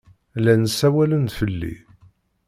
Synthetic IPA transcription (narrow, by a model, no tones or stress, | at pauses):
lænəsːæwælənt̪fəlːḭ